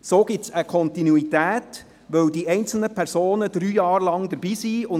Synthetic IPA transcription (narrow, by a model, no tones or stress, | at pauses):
soːɡ̥ɪtsəkʰɔnt̪inuitæːt | ʋœwdiɛɪnt͡sl̩nəpʰɛɾsoːnəd̪̥ɾyːjɑːɾlɑŋd̪əɾbiːsiʊn